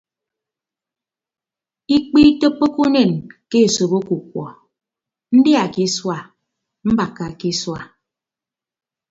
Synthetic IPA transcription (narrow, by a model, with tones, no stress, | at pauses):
i˦k͡pi˦to˦k͡pːo˦ku˦ne˦˨nke˦e˨so˨bo˦ku˨k̚wɔ̰˨ | n̩˦dja˨ki˦swa˨ | m̩˦ba˨kːa˨ki˦swa˨